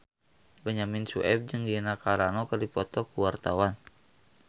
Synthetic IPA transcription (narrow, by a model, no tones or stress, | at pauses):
bəɲaminsuʔɛb̚d͡ʒɨŋɡinakaɾanɔkərdipɔt̪ɔkuwart̪awan